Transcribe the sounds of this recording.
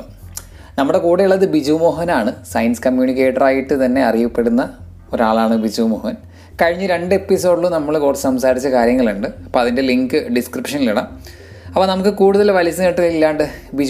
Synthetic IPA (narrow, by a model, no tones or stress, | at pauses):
nɐmːuɽe̞kuːɽejuɭːɐðɨbid͡ʑuːmo̞ːɦɐnaːɳɨsɐjnsɨ̥kɐmjuːɳik̬ʲːe̞ːʈːɐraːjiʈːɨt̪ɐnːe̞ɐrijɐpːe̞ɽunːɐ | o̞ɾaːɭaːɳɨbid͡ʑuːmoːhɐn | kɐɻiɲːɨɾe̞ɳɖɨe̞pːiso̞ːɖlːunɐmːɐɭkuːrɐsɐmsaːɾit͡ɕːɐkaːɾjɐŋːɐɭuɳɖɨɐpːoːɐðinde̞liŋɡɨɖiskripʂɐniliɽɐm | ɐpːoːnɐmukːɨkuːɽuðɐlʋɐlisːɐneʈːɨɣɐɭilːaːɳɖɨbid͡ʑ